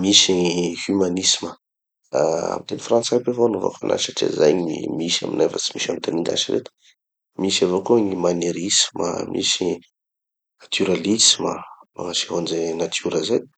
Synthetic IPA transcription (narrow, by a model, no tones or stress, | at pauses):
misihymanisimə | aa̰mit̪enifrant͡sapevoanovo̰fa̰na̰saʈ͡ʂḭza̰jḭmiʃa̰minajfət͡si̥miʃanut̪aniŋɡ̪a̰ʃiɾḛt̪u̥ | misavokoɲimaneɾismə̰mʔḭsi | nat̪ʰuɾalismə̰maŋaseɦond͡ʒenat̪ʰuɾəzaj